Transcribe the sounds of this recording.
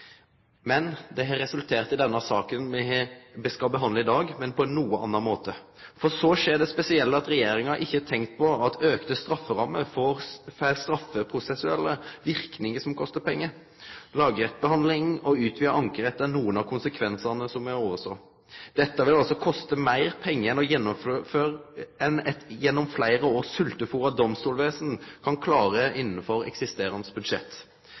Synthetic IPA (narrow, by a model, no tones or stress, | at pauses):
mɛnd̪ɛɦɑɾːɛsʉlt̪ʰeːʁt̪ɪd̪ɛnːɑsɑːkənmɛbɛskɑlbəɦɑnd̪ləɪd̪ɑːɡmɛnpʰɔɛnːuːəɑ̰nːɑnmoːt̪ə | fɔsɔʂeːɖɛspɛsɪɛlːɑt̪ɾɛjeːɾɪŋɑʔɪçːət̪ʰɛŋkt̪̚pʰɔɑt̪ʰøːkt̪əst̪ɾɑfːəɾɑmːəfɔɾfæɪlst̪ɾɑfːəpʰɾʊsɛsʉɛlːəʋɪɾknɪŋəsɔmkʰɔst̪əpʰɛŋːə | lɑːɡəɾɛt̪̚ːbəhɑnd̪lɪŋɔʉːt̪ʰʋiːəʔɑŋkəɾɛt̪ːənuːənɑkʰʊnsəkʰʋɛnsənəsɔmæɾoːʋəsɔ | d̪̥ɛt̪ːəʋɪlɑlsɔkʰɔst̪əmæɪɾpʰɛŋːəɛnɔjɛnːɔføːɛnɛt̪jɛnːɔmflæɪɾəoːsʉlt̪əfuːɾɑd̪ɔmst̪uːlʋeːsənkʰɑnkʰlɑːɾəʔɪnːəfɔɾɛ̰ksɪst̪eːɾɑnsbʉd̪ʂɛ̰t̪ː